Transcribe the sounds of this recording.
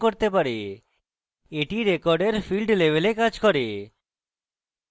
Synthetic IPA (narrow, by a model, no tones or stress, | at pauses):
koɾt̪epaɾe | eʈiɾekɔɾɖeɾfʰilɖlebelekad͡ʑkɔɾe